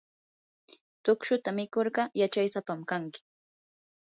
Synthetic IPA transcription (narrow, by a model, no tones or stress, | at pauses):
t̪ʊkʃʊt̪amɪkoɾɢɑjat͡ʃajsapamkaŋkɪ̥